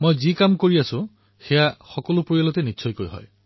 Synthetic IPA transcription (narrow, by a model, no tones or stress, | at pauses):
mojzikamkoɹiasũ | xejaxɔkɔlupɹoijalɔt̪eniːsʰɔjkojɦɔ̰j